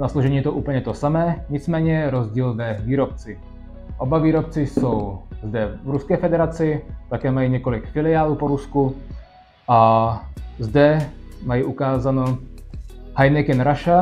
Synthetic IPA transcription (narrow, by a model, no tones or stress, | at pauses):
nasloʒɛɲiːɛt̪oʔuːpl̩ɲɛt̪osamɛːɲɪt͡smɛːɲɛɾozɟiːlvɛviːɾop̚t͡sɪ | ʔobaviːɾop̚t͡sɪsowzd̪ɛvɾuskɛːfɛd̪ɛɾat͡sɪt̪akɛːmajiɲɛko̞lɪkfɪlɪaːluːpoɾusku | ʔa | zd̪ɛmajiʔukaːzano | hajnɪkɛnɾaʃa